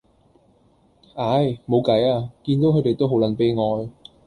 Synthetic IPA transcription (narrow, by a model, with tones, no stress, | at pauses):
ʔaː˨˧˥jmo˨˧wkɐ˨˥jaː˧kiː˧nt̪o˨˥kʰɵ˨˧t̪e˨jt̪o˥wɦo˨˥wlɐ˨˧˥npe˥jŋɔː˧j